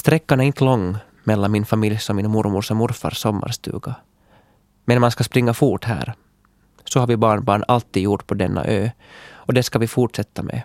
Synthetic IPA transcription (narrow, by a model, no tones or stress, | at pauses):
st̪ɾɛkːanæɾɪnt̪əlɔŋː | mɛlːanmɪnfamɪljsɔmːɪnmʊɾmʊɾʂɔmːʊɾfa̰ɾsɔmːa̰ɾst̪ʉ̰ːɡa | mɛnmanskaspɾɪŋːafuːʈhæ̰ːɾ | sɔhaɾvɪbɑːɳbɑːɳalt̪ːiːd̪juʈːpʰɔd̪ɛnːa̰ʔøː | ɔd̪ɛskavɪfuʈʂɛt̪ːamɛ̰